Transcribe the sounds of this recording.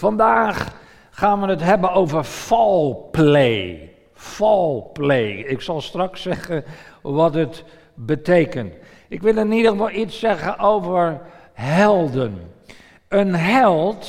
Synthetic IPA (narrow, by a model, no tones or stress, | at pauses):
fɑndaːχ | χaːnʋənətɦɛbənowvəɹfɑlˠplej | fɑlˠplejɪksɑlˠstrɑksɛχənʋɑtət | bətejkənt | ɪkʋɪlˠɪnidəɣəfɑlˠitsɛɣənʔowvəɹ | ɦɛlˠdən | ənɦɛlˠt